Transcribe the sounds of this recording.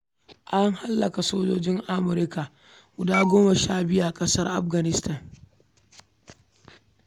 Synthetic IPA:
ʔa˦ŋha˦lːɐ˨ka˨soː˦d͡ʒoː˦d͡ʒɪ˦ŋʔa˦mʊ˨ɾɪ˦ka˨ʔ | ɡʷʊ˨daː˦ɡʷoː˦ma˨ʃaː˦bɪ˦ju˦˨ʔa˨kʼɐ˦sɐ˦rʔa˦ɸɡɐ˨nɪ˦stɐ˦˨n

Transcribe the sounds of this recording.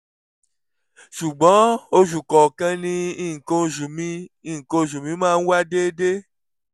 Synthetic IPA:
ʃu˨ɡ͡bɔ̃˨˦o˧ʃu˨kɔ˨kã˧nĩ˧˦i˦˨ŋ̩˨ko˧˨ʃu˨mĩ˧˦i˦˨ŋ̩˨ko˧˦ʃ̬u˨mĩ˨˦mãː˦˧n̩˦wa˦de˦de˦

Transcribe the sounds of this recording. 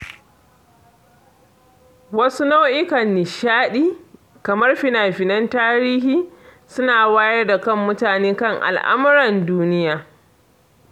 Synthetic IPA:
wɐ˦su˦na˦wʔɪ˦kɐ˨nːɪ˨ʃaː˦ɗiː˦ | kɐ˨mɐ˦rɸɪ˨naː˨ɸɪ˨nɐ˦ntaː˦ɾiː˦hiː˦ | sʊ˦naː˨waː˦jɐ˦rda˨kɐ˦mːʊ˦taː˨neː˦kɐ˦˨ŋʔa̰˨lʔa̰˦mʊ˦ɾɐ˨nduː˦nɪ˦jaː˦˨

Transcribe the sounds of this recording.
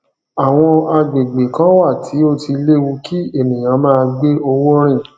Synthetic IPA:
a˨w̃ɔ̃˧a˧ɡ͡be˨ɡ͡be˨kã˨˦wa˦˨tʰi˨˦o˦ti˧le˦wu˧kʰi˦e˦˨nĩ˨j̃ã˨˦mãː˦˧ɡ͡be˦o˧wo˦ɾ̃ĩ˦˨

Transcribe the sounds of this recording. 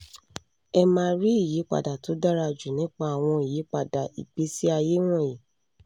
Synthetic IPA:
ɛ˧mãː˧ɾi˦i˦˨ji˨˦k͡pa̰˨da˨to˨˦da˦ɾa˧d͡ʒu˨nĩ˦k͡pa˦a˨w̃ɔ̃˧i˨ji˨˦k͡pa˦˨da˨ḭ˨ɡ͡be˨˦si˦a˧je˦w̃ɔ̃˦˨ji˨

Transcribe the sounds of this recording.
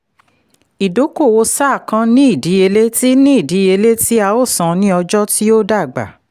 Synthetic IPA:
i˨do˨˦ko˦˨wo˧˦sa˦˨kã˧˦nĩ˦i˦˨di˨˦e˧le˦ti˦nĩ˦i˦˨di˨˦e˧le˦ti˦a˧o˦˨sã˨nĩ˦ɔ˧d͡ʒɔ˦ti˦o˦da˦˨ɡ͡ba̰˨

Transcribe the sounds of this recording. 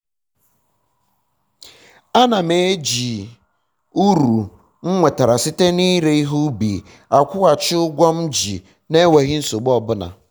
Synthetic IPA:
a˦na˨me˨˦d͡ʒi˨ | u˦ɾu˨ | ŋ͡m̩˦ŋʷe˨ta˨ɾa˨si˦te˦ni˦ɾe˦i˦ɦu˦bi˨ | a˨kʷʊ˦ɣa˨t͡ʃɪ˦ʊ˦ɡʷɔ˦m̩˦d͡ʒḭ˨ | ne˦we˨ɣɪ˦n̩˦so˨ɡ͡bɔ˦bʊ˦na̰˨

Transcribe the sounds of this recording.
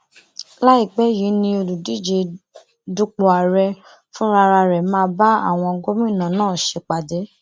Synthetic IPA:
la˦i˦˨ɡ͡bɛ˨˦ji˨˦nĩ˧o˧lu˨di˨˦˨d͡ʒe˧ | du˦k͡po˨a˨ɾɛ˧ | fũ˦ɾa˧ɾa˧ɾɛ˨mãː˧ba˦a̰˦˨w̃ɔ̃˧ɡo˦mĩ˦ĩ˦˨nã˨˦nãː˦˨ʃe˧k͡pa˨de˨˦

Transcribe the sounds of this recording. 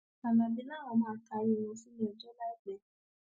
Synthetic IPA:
a˨nã˨bĩ˧˦nã˦˨wɔ̃˨˧˦mãː˧˦ka˧je˦˨wũ˧˦si˦nĩ˦ɔ˨d͡ʒɔ˦la˨i˨ɡ͡bɛ˧˦

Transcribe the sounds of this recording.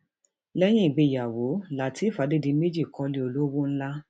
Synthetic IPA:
lɛ˦j̃ĩ˦i˦˨ɡ͡be˨˦˨ja˨wo˨˦la˨ti˨˦˨fa˨˦de˦di˧˦me˦d͡ʒi˦˨kɔ̃˧le˨˦o˧lo˦wo˦n̩˦la˦

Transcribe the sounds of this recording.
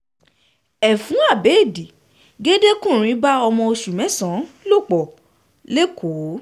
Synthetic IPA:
ɛ˨fũ˨˦a˦˨be˨˦˨di˨ | ɡe˦de˦kũ˦˨ɾ̃ĩ˨˦ba˦ɔ˧mɔ̃˧o˧ʃu˨mɛ̃˨˦sã˨˦lo˦˨k͡pɔ˨ | le˦kʰo˨˦

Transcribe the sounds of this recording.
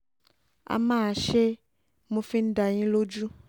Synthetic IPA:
a̰˨mã˦˨ʃe˦ | mo˧fi˦n̩˦da˨j̃ĩ˦lo˦d͡ʒu˦

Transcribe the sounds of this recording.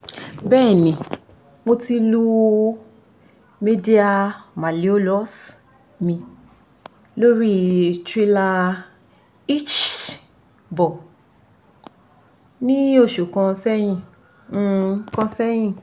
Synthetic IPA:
bɛː˦˨nĩ˨ | mo˧ti˧lu˧ | me˧di˦a˧ma˨li˨˦o˦lɔ˦s | mĩ˧ | lo˦ɾi˦tɾi˦la˧ | i˦t͡ʃ | bɔ˨ | nĩ˦o˦˨ʃu˨kã˧sɛ˦j̃ĩ˧˨˦ | kã˧sɛ˦j̃ĩ˦˨

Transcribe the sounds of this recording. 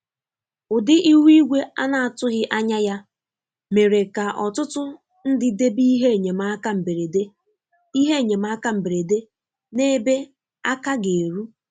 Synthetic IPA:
ʊ˨dɪ˦ʔi˦wi˦ɡʷe˦a˦na˨a˨tʊ˦ɣɪ˦ʔa˦ɲa˦ja˦ | me˨ɾe˨ka˨ʔɔ˨tʊ˦tʊ˦ | n̩˦dɪ˦de˦bi˦i˦ɦe˦˨ɲe˨ma˦ka˦m̩˨be˨ɾe˨de˦ | i˦ɦe˦˨ɲe˨m̩˦a˦ka˦m̩˨be˨ɾe˨de˦ | ne˦be˦ | a˦ka˦ɡe˨ɾu˦

